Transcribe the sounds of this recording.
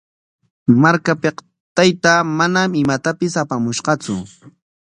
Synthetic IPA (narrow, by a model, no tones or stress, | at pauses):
maɾkapeq | t̪ajt̪amanamɪmat̪apɪsapamʊʃɢɑt͡sʊ̰